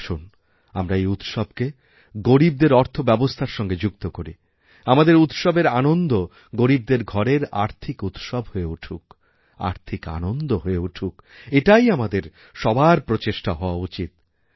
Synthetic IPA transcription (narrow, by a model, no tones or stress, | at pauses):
ʃun | amɾaejut̪ʃɔb̚ke | ɡoɾib̚d̪eɾɔɾt̪ʰobɛbost̪ʰaɾʃɔŋɡed͡ʑukt̪okoɾi | amad̪eɾut̪ʃɔbeɾanond̪o | ɡoɾib̚d̪eɾɡʱɔɾeɾa̰ɾt̪ʰikut̪ʃɔbɦoeuʈʰuk | a̰ɾt̪ʰika̰nond̪oɦoeuʈʰukeʈajamad̪eɾ | ʃɔbaɾpɾot͡ɕeʃʈaɦɔoaut͡ɕit̪